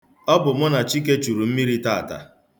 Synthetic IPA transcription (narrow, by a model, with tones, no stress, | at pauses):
ɔ˦bʊ˨mʊ˦na˨t͡ʃi˦ke˦t͡ʃu˨ɾu˨m̩˦mi˦ɾi˦ta˦˨ta̰˨